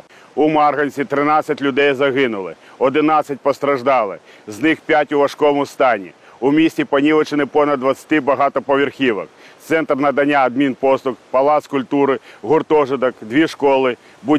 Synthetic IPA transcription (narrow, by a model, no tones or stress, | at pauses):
ʊmarɣɐnʲsʲit̪ɾɪnat̪sʲɐtʲlʲʊd̪ɛjzɐɣɪnʊlˠɪ̰ | ɔd̪ɪnat̪sɐt̚ʲpɐst̪ɾɐʒd̪ɑlˠɪznɪxpʲatʲʊʋɐʂkɔʋmʊst̪ɑnʲḭ | ʊmʲisʲtʲipɐnʲilˠɪt͡ʃɪnɪpɔnɐd̪̚d̪ʋɐt̪sʲɐ̥t̪ʲɪbɐɦɑt̪ɔpɐʋʲerxʲiʋɐ̰kt̪sɛnt̪rnɐd̪ɐnʲaːd̪̚mʲinpɔst̪ˠʊkpɐlˠat̪skʊlʲt̪uɾɪɣʊrt̪ɔʐɪd̪ɐkd̪ʲʋʲiʂkɔlˠɪ | bu